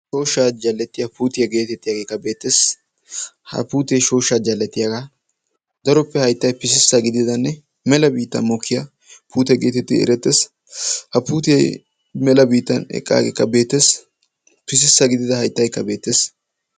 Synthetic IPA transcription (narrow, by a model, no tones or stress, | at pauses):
ʃo̞ːʃːaːd͡ʒɐlːɛt̪ːɪjɐpuːt̪ɪjɐɡe̞ːt̪ɛt̪ːɪjaːɡeːkːɐbe̞ːt̪ːes | hɐ̰puːt̪ejʃo̞ːʃːaːd͡ʒɐlːɛt̪ːɪjaːɡaː | d̪ɐɾɔpːɛhɐjt̪ːɐjpɪs̬ɪsːɐɡɪd̪ɪd̪ɐnːɛ | mɛlɐbiːt̪ːɐ̰nmɔkʰːɪjɐ | puːt̪ɛɡe̞ːt̪ɛt̪ːɪ̰ɛ̰ɾɛt̪ːes | hɐpuːt̪ɪjɐj | mɛlɐbiːt̪ːɐnɛ̰kʼːa̰ːɡḛkːɐbe̞ːt̪ːes | pɪs̬ɪsːɐɡɪd̪ɪd̪ɐhɐjt̪ːɐjkːɐbe̞ːt̪ːe̞ːs